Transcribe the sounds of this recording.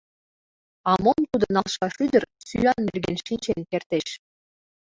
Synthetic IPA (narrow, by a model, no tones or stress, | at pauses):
ɑmŏmt̪ud̪ɤ̆nɑlˠʃɑʃyd̪ə̆rsy̰ɑnmelɡenʃint͡ɕenkert̪eʃ